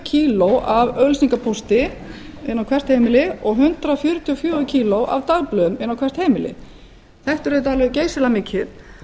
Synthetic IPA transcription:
cʰiːlowʔavœlsniŋkapʰowst̪ɪ | ɪnːawkʰvɛr̥t̪hejmɪlɪɔɣɦʏnt̪ɾafjʏɾʏt̪ʰjɔfjœːʏcʰiːlowʔa̰vt̪aɣplʏmɪnːawkʰɛr̥t̪hejmɪlɪ̰ | θɛht̪ʏɾet̪alvɛðceːjsɪlamɪcʰːɪt̪

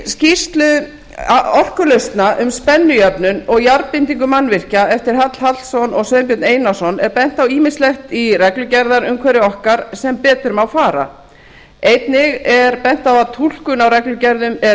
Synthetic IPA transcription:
scist̪lʏ | ɔr̥kʏlœɥst̪naʔʏmspɛnːʏjœpnʏnɔɣjaɾpɪnt̪iŋkʏmanːvɪr̥caɛft̪ɪɾ̥ɦat̪l̥hal̥sɔnɔɣsœðmpjɔt̪neːjnasɔnɛɾpɛn̥t̪awiːmɪnslɛxt̪irɛklʏcɛɾðaɾʏmkʰvɛɾɪɔhkaɾsɛmpɛːt̪ʏɾʏmawfaːɾa̰ | ejt̪nɪɣɛɾpɛn̥t̪awaðt̪ʰul̥kʏnawɾɛklʏcɛɾðʏmɛ

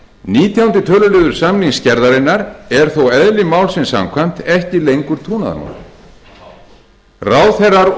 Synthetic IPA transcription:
niːt̪ʰjawnt̪ɪt̪ʰœːlʏlɪːðʏɾ̥samliŋscɛɾðaɾɪnːaɾɛɾ̥θowɛðlɪmaːwlsɪnsa̰mkʰvajm̥t̪ʰɛhcɪlejŋkʏɾ̥t̪ʰuːna̰ða̰ma̰n̰ | raːwθɛrːaɾ

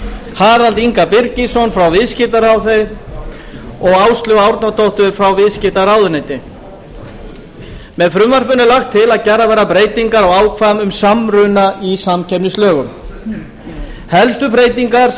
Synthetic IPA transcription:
haːɾalt̪iŋkapɪɾcisɔnfɾawvɪðscɪt̪aɾawθejɾ | ɔɣawst̪lʏɣawɾt̪nat̪ʰowht̪ʏɾ̥fɾawvɪðscɪt̪aɾawðʏnɛjt̪ɪ | mɛðfɾʏmvar̥pʏnɪlaxt̪ʰːɪlaðcɛravɛjɾapɾeːjt̪iŋkaɾawaːwkʰvamʏmsamɾʏnaʔisamcʰɛpnɪst̪œːɣʏm | hɛlst̪ʏpɾeːjt̪iŋkaɾ̥

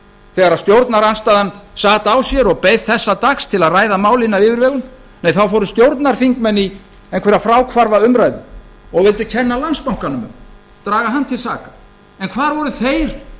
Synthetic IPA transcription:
θɛːɣaɾaðst̪jowɾt̪naɾanst̪aðansaːt̪awsjɛɾɔɣpejðθɛsːat̪akst̪ʰɪlaðraːjðamaːwlɪnːavɪːvɪɾvɛːɣʏn | nejθawfɔɾʏst̪jowɾt̪naɾ̥fiŋkmɛnːi | enkʰvɛɾafɾaːwkʰvaɾvaʏmɾajðʏ̰ɔɣvɪlt̪ʏcʰɛnːalanspawŋ̥kanʏmʏ̰m | t̪ɾaːɣaɦanːt̪ʰɪlsa̰ːkḁ | ɛnkʰvaːɾvɔɾʏθejɾ̥

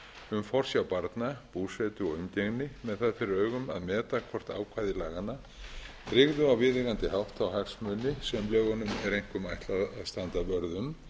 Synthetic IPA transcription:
ʏmfɔr̥sjawpaɾt̪napuːsɛt̪ʏɔɣʏmceɣnɪmɛðθaðfɪɾɪɾœːɥɣʏma̰ðmɛːt̪akʰvɔr̥t̪a̰ːwkʰvaːjðɪlaːɣanːa | t̪ʰɾɪɣðʏawvɪðɪɣant̪ɪhawht̪awɦaksmʏːnɪsɛmlœːɣɔnʏmɛɾejŋ̥kʏmajt̪laððst̪ant̪apœɾðʏm

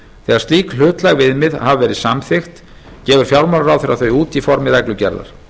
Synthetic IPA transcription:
θɛːaɾst̪liːkl̥ʏːt̪laɣvɪðmɪðhavvɛːɾɪðsamθɪxt̪ | cɛːvʏɾ̥fjawlmalɾawθɪɾaθœɥuːt̪ifɔɾmɪðɛklʏcɛɾla̰ɾ̥

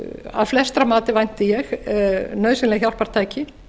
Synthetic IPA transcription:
a̰ðflɛst̪ɾamaːt̪ɪvajn̥t̪ɪjɛxnœːɥsɪnlɛɣçjawl̥paɾ̥t̪ʰaːjcɪ

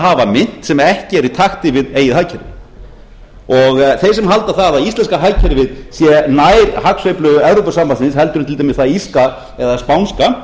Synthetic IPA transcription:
ɦaːvamɪn̥t̪sɛmɛhcɪɛɾit̪ʰaxt̪ɪvɪðeːjɪðhaːjcʰɛɾɪ | ɔɣθejsɛmɦalt̪aθaðaist̪lɛnskaɦajcʰɛɾvɪðsjɛnajɾhaksœjplʏɣʏɛvɾowpasampansɪnshɛlt̪ʏɾʏmt̪ʰɪlt̪ʰamɪsθaðiska | ɛðaspawnska

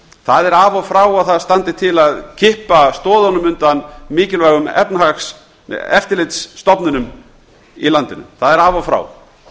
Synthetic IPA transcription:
θaðɛɾaːvafɾaːwaðθaðst̪ant̪ɪt̪ʰɪlaðcʰɪhpast̪ɔːðanʏmʏnt̪anmɪːcɪlvaːɣʏmɛ̰pnahaks | ɛft̪ɪlɪt̪sːt̪ɔpnɪnʏm | ilant̪ɪnʏ̰mθaðɛɾaːvafɾa̰w

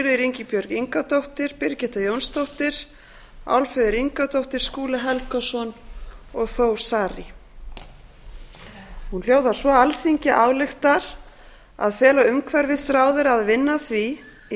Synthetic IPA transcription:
ɾðɪɾiɲcɪpjœɾɣiŋkat̪owht̪ɪɾ̥pɪɾcɪht̪ajownst̪owht̪ɪɾ̥ | a̰wlfʏðɪɾiŋkat̪owht̪ɪɾ̥skuːlaɦɛlkasɔnɔɣθoːw̥saːɾɪ | hunl̥joːwðḁsvɔalθiɲcɪʔaːwlɪxt̪aɾ̥ | a̰ðfɛːlaʏmkʰvɛɾvɪsɾaːwðɪɾaðvɪnːaθvi

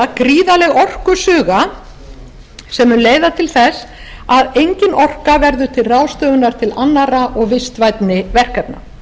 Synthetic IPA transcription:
kɾiːðalɛɣɔr̥kʏsʏːɣa | sɛmːʏnleːjðat̪ʰɪlθɛs | aðejɲcɪnʔɔr̥kavɛɾðʏt̪ʰɪlraːwst̪œːɣʏnaɾ̥t̪ʰɪlanːaraʔɔɣvɪst̪vajt̪nɪvɛr̥kap̪̚na̰

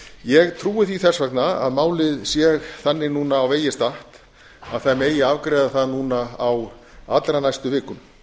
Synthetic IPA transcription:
jɛɣt̪ʰɾuːɪθiθɛsvaknaa̰ðmaːwlɪðsjɛɣθanːɪnuːnaːwveːjɪst̪aht̪ | aðθameːjɪaːvkɾɛːðaθaðnuːnaaw | a̰t̪lɾanajst̪ʏvɪːkʏm

